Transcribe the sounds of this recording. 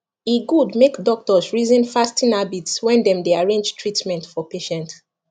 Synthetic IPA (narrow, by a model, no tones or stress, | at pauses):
iɡudmekdɔk̚tɔsɹizĩnfastĩnabitswɛ̃ndɛ̃mdeaɹẽnd͡ʒtʰɹitmɛ̃ntfɔpeʃɛ̃nt